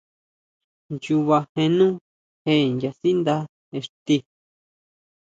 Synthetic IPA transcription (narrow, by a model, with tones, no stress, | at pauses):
nt͡ʃu˧βa˧hẽ˧nũ˦ | he˧˨nja˧si˦nd̪a˦ | e˧ʂt̪i˧